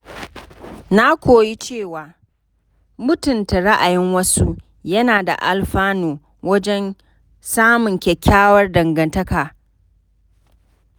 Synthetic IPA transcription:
na˦kʷoː˨ji˦t͡ʃeː˦˨waː˨ | mʊ˦tʊ˨nta˨ɽa˦ʔa˨jɪ˦ŋwɐ˦su˦ | jɐ˦naː˨da̰˨ʔa˨lɸaː˦noː˨ | wɐ˦d͡ʒɛ˦n | saː˦mʊ˨ŋkʲɛ˨kʲːaː˦wɐ˦rdɐ˨ŋɡɐ˨ntɐ˦kaː˨

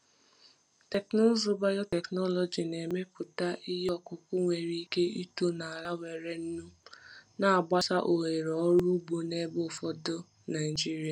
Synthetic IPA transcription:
te˨knʊ˦zʊ˦ba˦jɔ˦te˨knɔ˦lɔ˨d͡ʒi˨ne˨me˦pʊ˨ta˦ʔi˦ɦɔ˦kʊ˨kʊ˦ŋʷe˨ɾi˦ke˦i˦to˦na˨a˨ɾa˦we˨ɾe˨n̩˦nu˦na˨a˨ɡ͡ba˦sa˦ʔo˨ɦe˨ɾɔ˦ɾu˦bo˦ne˦bo˦˨fɔ˦do˦ | na˨ɪ˨d͡ʒi˦ɾi˨a˨

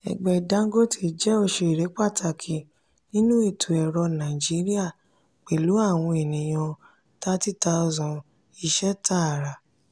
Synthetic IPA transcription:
ɛ̰˨ɡ͡bɛ˨da˨˦ŋ˦ɡo˦tʰi˧˨d͡ʒɛ˦o˧ʃe˧˨ɾe˨˦k͡pa˦˨tʰa˧˨kʰi˧ | nĩ˦nũ˦e˦˨tʰu˨ɛ˨ɾɔ˧nã˨i˨d͡ʒi˨˦ɾi˦a˦˨ | k͡pe˨lu˨˦a˦˨w̃ɔ̃˧e˨nĩ˨j̃ɔ̃˧ | ta˦ti˦ta˧ɔ˧zɔ̃˨ | i˧ʃɛ˦ta˦a˨ɾa˨

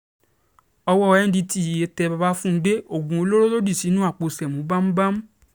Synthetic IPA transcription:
ɔ˧wɔ˦˧ɛ˦n̩˦di˧ti˦˨e˨˦tɛ˧ba˧ba˦fũ˦˧˦de˦o˦˨ɡũ˨o˧˦lo˦ɾo˦lo˦di˦˨si˨˦nũ˦a˦˨k͡po˧sɛ˨mũ˨˦ba˦m̩˦ba˦m̩˦

